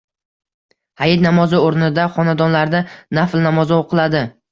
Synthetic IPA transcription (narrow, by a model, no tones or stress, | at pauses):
hajɪt̪̚namɒzɪoɾnɪd̪aχɒnad̪ɒnlaɾd̪anaflnamɒzɪoqʰɨlad̪ɪ